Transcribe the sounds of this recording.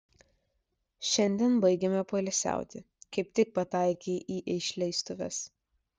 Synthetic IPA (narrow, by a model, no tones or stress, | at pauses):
ʃʲɛnʲd̪ʲiɛnbɐɪɡʲɛmʲɛpolʲɛsʲæ̰ˑʊt̪ʲɪ | kɐɪp̚t̪ʲɪk̚pɐt̪ɑˑɪkʲeːʔiːʔɪʃʲlʲɛɪst̪ʊʋʲɛ̰s